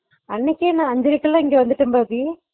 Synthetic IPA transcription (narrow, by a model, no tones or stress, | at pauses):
ɐnːɛkːenãːɐɲd͡ʒɪɾɯkːɐlãːɪŋɡeʋɐnd̪ɯʈːɯmbaːpi